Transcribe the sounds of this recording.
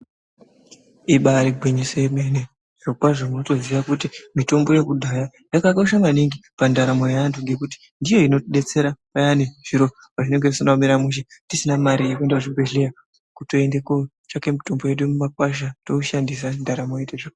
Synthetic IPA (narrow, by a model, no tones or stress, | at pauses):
iɓaɾiɡʱwiɲisemene | ʐ̥okwaʐomuno̞to̞ziʋakutimito̞mbo̞je̞kudʱaja | jakakoʃamaniŋɡipandaɾamo̞jaantuŋɡe̞kuti̥ | ndijo̞ino̞ɗe̞t͡se̞ɾapajaneʐ̥iɾo | paʐine̞ŋɡe̞isinamiɾamuʃ̬etisinamaɾijekue̞ndakuʐibʱeɮeja | kuto̞ende̞ko | t͡ʃake̞mito̞mboje̞ɗumumak̚waʃ̬atouʃandis̬andaɾamo̞jeteʐak